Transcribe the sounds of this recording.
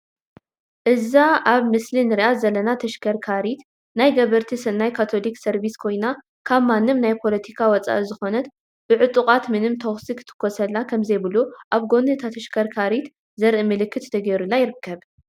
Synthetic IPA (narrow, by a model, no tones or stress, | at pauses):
ʔɨzaʔaβmɨslinɨɾiʔat̪zɐlɐnat̪ʰɐʃkʰɐɾkʰaɾit̪ | najɡɐβɐɾt̪ʰisɨnːajkʰat̪ʰo̞liksɐɾβiskʰo̞jna | kʰaβmanːɨmnajpʰo̞lɐt̪ʰikʰawɔt͡sʼa̰ʔɨzɨxo̞nɐt̪ | b̥ɨʕɨt̪ʼukʼat̪mɨnɨmt̪ʰoxsikʰɨ̥t̪ʰɨ̥kʰːosɐlːakʰɐmzɐjbɨluʔaβɡo̞nɨt̪ʰat̪ʰɐʃkʰɐɾkʰaɾit̪ | zɐɾʔɨmɨlɨkːɨt̪t̪ʰɐɡɐɾulːajɪɾɨkʰːɐβ